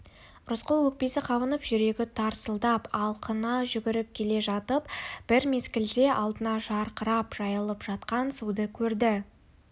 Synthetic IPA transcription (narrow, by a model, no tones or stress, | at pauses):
ɾʊsqəlˠwɵk̚pe̞sɪqʰɑβənəpʒʏɾe̞ɡʲɪt̪ʰɑɾsəlˠd̪ɑpɑlˠqʰənɑʒʏɡʲɪɾɪp̚kʲʰe̞le̞ʒɑt̪əpb̥ɪɾme̞skʲɪld̪e̞ʔɑlˠd̪ənɑʒɑɾqəɾɑpʒ̥ɑjəlˠəpʒ̥ɑt̪qɑnsud̪əkʲʰɵɾd̪ɪ